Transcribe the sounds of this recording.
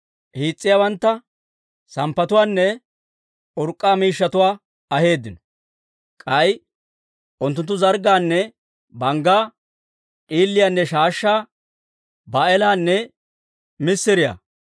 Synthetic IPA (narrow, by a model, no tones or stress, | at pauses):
hiːt͡sʼːɪjabɐnt̪ːɐ | sɐmpːɐt̪ʊwaːnːɛ | ʔʊɾkʼːaːmiːʃːɐt̪ʊwaː | ɐhe̞ːd̪ːɪnɔ̥ | kʼɐj | ʔʊnt̪̬ːʊnt̪̬ːʊzɐɾɡaːnːɛ | bɐŋɡaː | ʔʼiːlːɪjanːɛʃaːʃːaː | baɛlaːnːɛ | mɪsːɪɾɪja̰ː